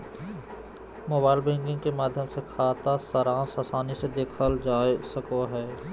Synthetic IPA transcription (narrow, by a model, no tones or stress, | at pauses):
moːbaːɪlbẽːŋkɪ̃ŋɡkemaːd̪ʱjəmsekʰaːt̪asəɾaːnsɐsaːnised̪eːkʰəld͡ʒaːesəkoɦɛː